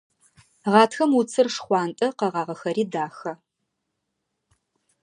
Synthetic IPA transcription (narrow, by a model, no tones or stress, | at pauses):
ʁɑːtʰxɐmut͡sʰɨrʂχʷɑːntʼɐqɐʁɑːʁɐxɐɾiːdaːxɐ